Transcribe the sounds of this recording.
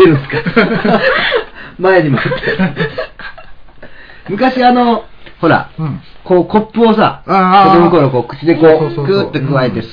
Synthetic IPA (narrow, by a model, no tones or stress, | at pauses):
eɾɯ̟̃ska | maeɲ̟imoɯt̪ːʰe | mɯ̟kaɕiano̞ | ho̞ɾa̰ | ko̞ːko̞pːɯ̟o̞s̬a̰oomɯko̞ɾoko̞ːkɯ̟t͡ɕid̪e̞koːkɯ̟t̪ːokɯ̟βae̞t̪e̞